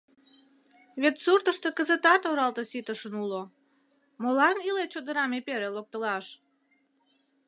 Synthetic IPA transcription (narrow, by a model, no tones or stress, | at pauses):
βet̪surt̪əʃt̪əkəzət̪ɑt̪oɾɑlt̪əsit̪əʃənulo | molɑnilet͡ɕod̪əɾɑmepeɾelok̚t̪əlɑʃ